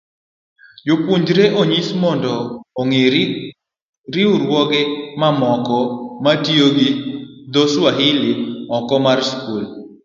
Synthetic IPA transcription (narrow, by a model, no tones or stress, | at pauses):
jopuɲd͡ʒɾeʔoɲismɔndɔːŋe | ɾɪʊɾwɔɡɪmamɔkɔmatjoɡɪd̪oswaɦɪlɪɔkɔmarskul